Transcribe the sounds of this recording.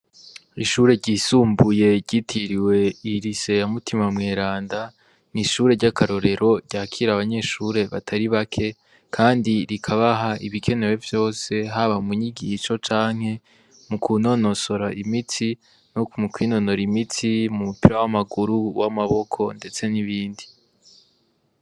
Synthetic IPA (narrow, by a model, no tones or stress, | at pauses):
iʃuːɾe̞ɾɟiːsuːmbuje̞ɾɟitʰiɾiwe̞iɾise̞jamutʰimamŋe̞ːɾaːnda | niʃuːɾe̞ɾɟakaɾo̞ɾe̞ɾo̞ɾɟ̥aːkʰiɾaβaɲe̞ʃuɾe̞βatʰaɾiβakʰe̞ | kʰaːndiɾikʰaβaɦaʔiβikʰe̞ne̞we̞vjo̞ːse̞ɦaβamuɲiɡiʃo̞t͡ʃaːŋ̥he̞ | mukʰuno̞no̞so̞ɾaimiti | nokumukwiːno̞no̞ɾimitimumupiɾawamaɡuɾuwamaβo̞kʰo̞nde̞t͡se̞niβiːndi